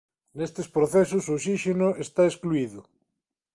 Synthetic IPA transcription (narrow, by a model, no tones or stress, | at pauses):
nest̪espɾoθesʊsosiʃenoʔest̪aeskluiðʊ